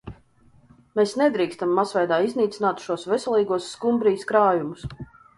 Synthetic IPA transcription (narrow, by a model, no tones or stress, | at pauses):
meːsnɛd̪ɾiːkst̪amːasvajd̪aːizniːt̪sinaːt̪ʃuɔsvɛsʲɛlˠiːɡuɔsːkumbɾiːskɾaːjumus